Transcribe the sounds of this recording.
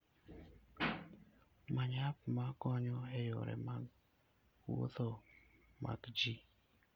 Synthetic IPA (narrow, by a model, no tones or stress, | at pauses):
maɲap̚makɔɲɔɛjɔɾɛ̰ma | wo̰θɔma̰kd͡ʒi